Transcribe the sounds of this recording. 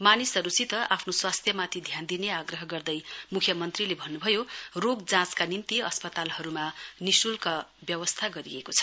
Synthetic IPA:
manisʌɾut͡sit̪ʌʔapʰnoswast̪ʰjʌmat̪ʰid̪ʱjand̪ineaɡrʌɦʌɡʌrd̪ʌjmukʰjʌmʌnt̪rilebʱʌnːubʱʌjoroɡ̚d͡zãt͡skanimt̪iʌspʌt̪alhʌɾumanisulkabjʌwʌst̪ʰaɡʌɾiekot͡sʰʌ̥

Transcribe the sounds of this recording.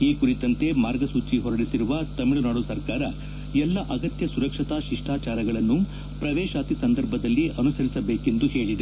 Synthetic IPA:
iːkuɾit̪ɐnt̪e̞maːɾɡɐsuːt͡ʃiɦɔɾɐɽisiɾuʋɐt̪ɐmiɭunaːɽusɐɾkaːɾɐ | ɛlːɐʔɐɡɐt̪jɐsuɾɐkʂɐt̪aʃiʂʈʰaːt͡ʃaːɾɐɡɐɭɐnːu | pɾɐʋɛːʃaːt̪isɐnd̪ɐɾbʱɐd̪ɐlːiʔɐnusɐɾisɐbeːke̞nd̪uhe̞ːɭid̪e

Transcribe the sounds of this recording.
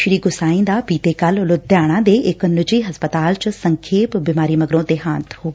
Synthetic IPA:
ʃɾiːɡʊsaːĩːd̪aːpiːt̪eːkəllʊd̪jaːɽ̃ãːd̪eːʔɪknʊd͡ʒiːɦəspət̪aːlt͡ʃsəŋkʰeːpbiːmaːɾiːməɡɾõːt̪eːɦãːnt̪hoː

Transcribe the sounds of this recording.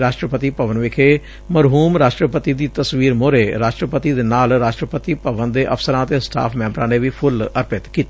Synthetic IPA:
ɾaːʃʈɾəpət̪iːpəʋənʋɪkʰeː | məɾɦuːmɾaːʃʈɾəpət̪iːd̪iːt̪əsʋiːɾmoːɾeːɾaːʃʈɾəpət̪iːd̪eːnaːlɾaːʃʈɾəpət̪iːpəʋənd̪eːʔəfsəɾãːt̪eːsʈʰa̰ːpʰmɛ̃ːmbɾãːneːʋiːpʰʊləɾpɪt̪kiːt̪ː

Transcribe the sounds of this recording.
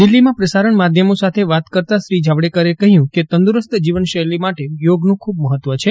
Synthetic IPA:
d̪ɪlːimãpɾəsaɾəɳmad̪ʱjəmosat̪ʰeʋat̪kəɾt̪aʃɾid͡ʒʱaʋɽekəɾekəɦjũket̪ənd̪uɾəst̪d͡ʒiʋənʃəlːimaʈejoɡnũkʰub̚məɦət̪ːʋət͡ʃʰe

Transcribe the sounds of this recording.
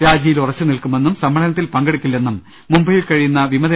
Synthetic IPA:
ɾaːd͡ʑɐjilurɐt͡ɕːunilkume̞nːumsɐmːɐɭɐnɐt̪ːilpɐŋɡeɽukʲːilːe̞nːumː | umbɐjilkɐɻijunːɐʋimɐðɐ

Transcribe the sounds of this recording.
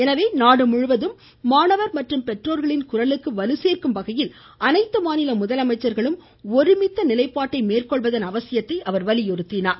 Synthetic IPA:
ɛnɐʋeːnaːɽɯmʊɻʊʋɐðɯmː | aːnɐʋɐɾmɐʈrɯmpɛʈroːɾɣɐɭɪnkʊrɐlɯkːɯʋɐlɯseːrkɯmpɐɣɐjɪl | ɐnɐɪt̪ːɯmaːnɪlɐmʊðɐlɐmɐɪt͡ʃːɐɾɣɐɭɯm | ɔɾɯmɪt̪ːɐnɪlɐɪpːaːʈːɐɪmeːrkɔɭʋɐðɐnɐʋɐsɪjɐt̪ːɐɪʔɐʋɐɾʋɐlɪjɔɾɯt̪ːɪnaːɾ

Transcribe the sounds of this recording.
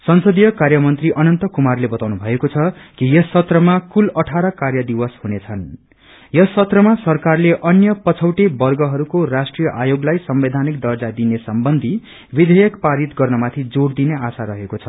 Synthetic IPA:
sʌnsʌd̪ijʌkarjʌmʌnt̪riʔʌnʌnt̪ʌkumarlebʌt̪awnubʱʌekot͡sʰʌkijʌsʌt̪rʌmakulʌʈʰaɾʌkarjʌd̪iwʌshunet͡sʰʌn | jʌsʌt̪rʌmasʌrkarleʔʌnjʌpʌt͡sʰʌwʈebʌrɡʌɦʌɾukorasʈrijʌʔajoɡlajsʌmbed̪ʱanikd̪ʌrd͡zad̪inesʌmbʌnd̪ʱi | bid̪ʱʌjʌkpaɾit̪ɡʌrnʌmat̪ʰid͡zord̪ineasaɾʌɦekot͡sʰʌ

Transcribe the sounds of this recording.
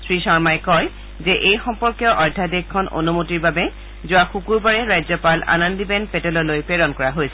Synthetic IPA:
sɹisɔɹmajkɔj | zɛʔejxɔmpɔɹkjɔʔɔɹdʱadekʰːɔno̰numotiɹbabɛ | zʊwaxukuɹbaɹɛɹajzɔpala̰nandibɛnpɛtɛlɔlojpɛɹɔnkɔɹaɦojsɛ

